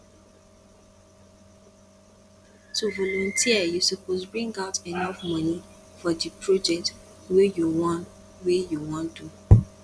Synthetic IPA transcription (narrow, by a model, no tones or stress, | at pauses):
tuvɔlɔ̃ntʰiəjusupozbɹĩŋɡaʊtenʌfmʌni | fɔdipʰɹɔd͡ʒɛk̚twejuwɔn | wejuwɔ̃ndu